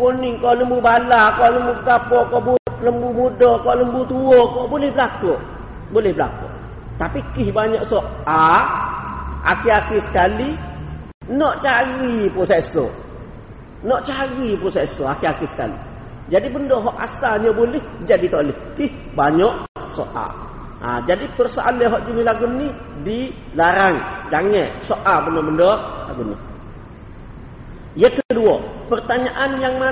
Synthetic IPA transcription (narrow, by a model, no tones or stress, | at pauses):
kunɪŋkɔʔləmbubalakɔʔləmbuɡapɔkɔʔbuləmbumudɔkɔʔləmbut̪uokɔʔbolɛhbəlakoʔ | bolɛhbəla̰ko̰ʔ | t̪apikihbaɲɔʔsɔʔa | a̰kiakisə̥kali | nɔʔt͡ʃaɣipɔseso̰ | nɔʔt͡ʃaɣipɾosesoakiakisə̥ka̰lḭ | d͡ʒadibəndɔɦɔʔa̰saɲobolɪhd͡ʒadit̪oʔlɛhkih | baɲɔʔ | so̰ʔa̰ | d͡ʒadikərsaʔa̰leɦɔʔd͡ʒənilaɡunːi | di | laɾaŋd͡ʒaŋɛʔsoʔabənɔbəndɔrla̰ɡunːḭ | jəkəəduopərt̪aɲaʔanjaŋma